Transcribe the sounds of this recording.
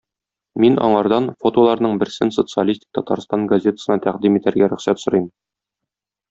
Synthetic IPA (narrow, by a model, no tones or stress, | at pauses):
minɒ̰ɴɑɾd̪ɑnfo̞t̪olˠɑɾnɤɴbɘ̆ɾsɘnso̞t̪sɨalʲisʲt̪ʲi̥k̚t̪ɒt̪ɑɾst̪ɑŋɡɐzʲe̞t̪ə̥sɤ̆nɑt̪æqd̪imit̪æɾɡæɾɵ̆χsæt̪sŏɾɤm